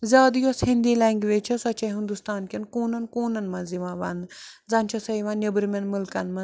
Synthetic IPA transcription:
zʲaːd̪joshind̪iːlɐŋɡʲʋeːt͡ʃʰɐsɐt͡ʃʰɐɦind̪ust̪aːnkʲinkuːnɐnkuːnɐnmɐ̃ziʋãːʋɐnzɐnʲt͡ʃʰɐsɐiʋãːnnʲebɾmʲɐnmulkɐnmɐ

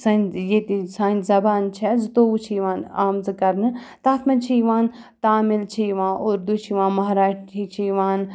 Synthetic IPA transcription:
sanjet̪isãːnt̪zɐbaːnt͡ʃʰɛzɨt̪oːut͡ʃʰiʋaːnaːmzɨkɐɾnɨ | t̪aːt̪ʰmɐnt͡ʃʰiːʋãːn | t̪aːmilt͡ʃʰijʋãːoːɾd̪ut͡ʃʰiʋaːnmɐɦaːɾaːʃʰit͡ʃʰijʋaːn

